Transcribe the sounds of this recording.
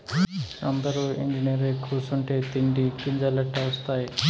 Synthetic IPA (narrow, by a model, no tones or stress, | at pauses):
ɐnd̪ɐɾuːḛɲd͡ʒiniɐɾekɾuːsuɳʈeːt̪iɳɖikiɲd͡ʒɐlɐʈːɐʋɐst̪aːji